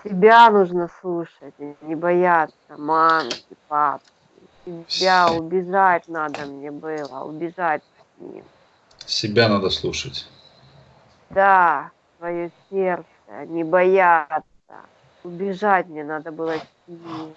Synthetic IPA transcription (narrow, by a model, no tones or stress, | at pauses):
sʲɪbʲanuʐnəslˠuʂət̚ʲnʲɪbɐjat̪səmankʲɪpapkʲɪ | sʲɪbʲaʊbʲɪʐat̚ʲnad̪əmnʲebɨlˠə̰ʊ̰bʲɪʐat̚ʲ | sʲnʲḭm | sʲɪbʲanad̪əslˠuʂətʲ | d̪a | svɐjosʲert̪sə̰nʲɪbɐjat̪sə̰ | ʊbʲɪʐatʲmnʲenad̪əbɨlˠəsʲ | in